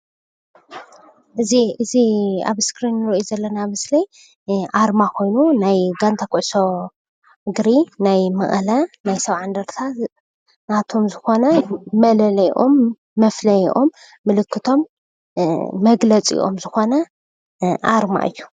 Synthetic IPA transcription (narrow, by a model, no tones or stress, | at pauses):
ʔɨziʔɨzia̰βskɾinːɨɾʔuzɐlːɐnamɨslɐj | ʔaɾmakʰo̞jnunajɡant̪ʰakuʕso̞ | ɡɾinajmɐχʼlɐnajsɐβʕand̪ɐɾt̪ʰa | nat̪ʰo̞mzɨxo̞nɐmɐlɐlɐjʔomː | ɐflɐjiʔomː | ɨlɨkʰːɨt̪ʰo̞m | ɐɡlɐt͡sʼḭʔo̰mzɨxo̞nɐ | ʔaɾma̰ʔɨ̰jːu̥